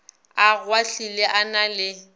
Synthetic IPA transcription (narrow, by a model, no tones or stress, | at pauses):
aɣwaɬilɛʔanalɪ